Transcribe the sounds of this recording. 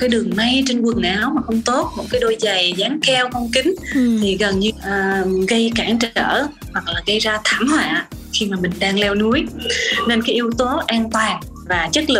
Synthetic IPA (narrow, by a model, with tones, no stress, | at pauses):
kaː˨˦jɗɨ˨˩əŋma˧jt͡ɕe˧nkwɨ˨˩əŋʔaː˨˦wmaː˨˩xə˧wŋ͡mt̪o˦˥t̚mo̰˨˩t̚kaː˨˦jɗo˧jza˨˩jzaː˨˦ŋkɛ˧wxə˧wŋ͡mkï˨˦ŋ̟t̪ʰi˨˩ɣə˨˩nɲɨ˧ʔːɣə˧jkaː˧˩ŋt͡ɕə̰ː˧˩hwa˨˩k̚laː˨˩ɣə˧jzaː˧t̪ʰaː˧˩mhwa̰ː˧˨xi˧maː˨˩mï˨˩ŋ̟ɗaː˧ŋlɛ˧wnu˨˦əjne˧nkaː˨˦jʔi˧əwt̪o˨˦ʔaː˧nt̪waː˨˩n | vaː˨˩t͡ɕə˦˥t̚lɨ˨˩